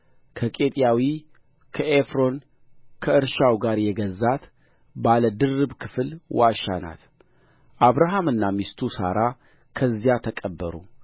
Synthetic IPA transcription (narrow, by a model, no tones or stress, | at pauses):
kʰəkʼe̞t̪ʼjawi | kʰəefɾo̞n | kʰəɨɾʃawɡaɾjɛɡəzːat̪ | baləd̪ɨrːɨbkʰɨfɨlwaʃa̰na̰t̪ | ʔaβɾaɦamɨnːamist̪ʰusa̰ɾa | kʰəzːijat̪ʰəkʼəbːəɾṵ